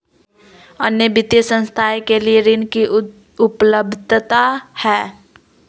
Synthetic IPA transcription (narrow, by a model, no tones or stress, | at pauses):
ənjəbɪt̪jəsə̃nst̪ʰajkelieɾɪnki | ʊpləbd̪ʱt̪ahɛː